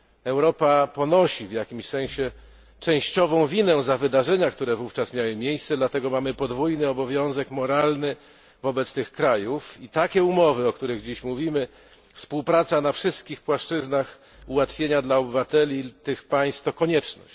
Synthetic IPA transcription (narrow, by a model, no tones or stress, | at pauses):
ɛwɾɔpapɔnɔɕivjakʲimɕsɛ̃ɕɛ | t͡ʂɛ̃w̃ɕt͡ɕɔvɔ̃w̃vʲinɛzavɘd̪aʐɛɲakt̪uɾɛvuft͡ʂasmʲjawɘmʲjejssɛd̪lat̪ɛɡɔmamɘpɔd̪vujnɘɔbɔvʲjɔ̃w̃zɛkmɔɾalnɘ | vɔbɛt̪st̪ɘxkɾajufit̪akʲɛumɔvɘɔkt̪uɾɘɣd͡ʑiɕmuvʲimɘ | fspuwpɾat̪sanafʂɘst̪̚kʲixpwaʂt͡ʂɘznax | uwat̪fʲjeɲad̪laɔbɘvat̪ɛlʲit̪ɘxpaj̃st̪t̪ɔkɔɲɛt͡ʂnɔ̰ɕt͡ɕ